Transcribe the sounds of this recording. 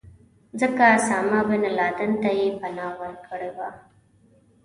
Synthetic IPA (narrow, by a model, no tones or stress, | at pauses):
d͡zəkasaːmabənalɑd̪ənt̪ajepanɑwəɾkəɽewa